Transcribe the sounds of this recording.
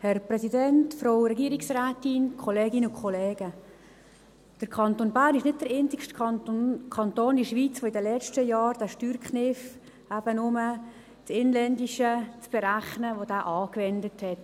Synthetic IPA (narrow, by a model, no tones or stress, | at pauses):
hɛrprɛsidɛntfɾowɾɛɡiəɾɪksræːtɪnkʰoleːɡɪnʊkχɔleːɡ̥ə | d̥əɾkʰɑntoːnbæːrnɪʃnɪt̚d̥əɾɪntɪkʃt | kʰɑntoːndiʃʋiːt͡sʋoɪdəlɛt͡ʃtəjɑːɾdæːʃtyːɾkχnɪf | æb̥ənʊmə | tɪnlɛndiʃət͡sb̥ɛɾæχnəʋodæːʔɑːkʋɛndəthɛt